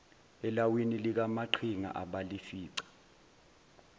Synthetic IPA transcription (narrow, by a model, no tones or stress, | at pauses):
ɛlawinilik̬amaǃʰiŋa̰ʔaɓalifiːǀḁ